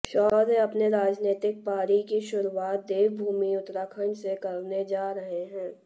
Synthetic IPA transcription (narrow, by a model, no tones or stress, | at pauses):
ʃɔːd̪eɐpneɾaːd͡ʒneːt̪ɪk̚paːɾikiʃʊɾuaːt̪̚d̪eːʋbʱuːmiʊt̪ɾakʰəɳsekɐɾned͡ʒaːɾɐɦeɦɛ̃ː